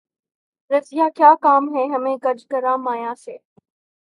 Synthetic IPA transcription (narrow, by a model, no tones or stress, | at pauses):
ɾɐsɪjaːkjaːkaːmɦɛːɦɐmẽːɡɐɾd͡ʒkɐɾãːmaːjãːseː